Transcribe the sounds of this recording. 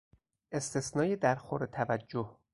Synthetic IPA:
ʔe̞st̪ʰesnɒːjed̪æɾxoɾet̪ʰævæd͡ʒːoh

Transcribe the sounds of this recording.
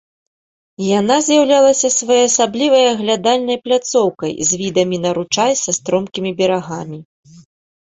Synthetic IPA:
janazʲjawlʲalˠɐsʲɐsvajɔjasablʲivɐjɐɣlʲad̪alʲnɐjplʲat̪sɔwkɐ̰jzʲvʲid̪ɐmʲinɐɾut͡ʂajsɐst̪ɾɔmkʲimʲibʲɛɾaɣamʲi

